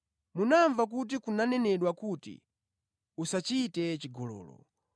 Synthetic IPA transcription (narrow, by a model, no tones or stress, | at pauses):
munaɱvak̬ut̬ikunanɛnɛɗwakutḭ | usat͡ʃitɛt͡ʃiɡɔlɔ̰ːlɔ̰